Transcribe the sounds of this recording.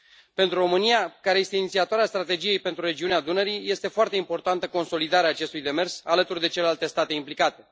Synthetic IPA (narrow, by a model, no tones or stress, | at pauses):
pent̪ɾuro̞mɨnijakaɾe̞je̞st̪e̞init̪siat̪oaɾeast̪ɾat̪e̞d͡ʒije̞jpent̪ɾure̞d͡ʒiunead̪unəɾije̞st̪e̞foart̪e̞impo̞rt̪ant̪əko̞nso̞lid̪aɾeaːt͡ʃe̞st̪ujd̪e̞me̞rsalət̪urd̪e̞t͡ʃelelalt̪e̞st̪at̪e̞implikat̪e̞